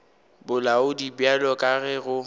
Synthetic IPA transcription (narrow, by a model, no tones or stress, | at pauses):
bʊlaʊdibjalɔkʼaɣɛɣʊ